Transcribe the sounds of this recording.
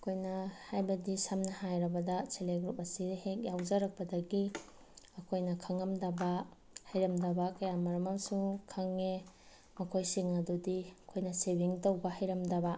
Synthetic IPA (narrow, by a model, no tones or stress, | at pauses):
ɐkʰojnɐhajbɐdisɐmnɐhajɾɐbɐdɐseleɡɾupɐsidhek̚jawzaɾɐk̚pɐdɐɡi | ɐkʰojnɐkʰɐŋɐmdɐbɐ | hajɾɐmdɐbɐkɐjamɐɾɐmɐmsukʰɐŋːe | mɐkʰojsiŋɐdodiɐkʰojnɐsebiŋtowbɐhajɾɐmdɐbɐ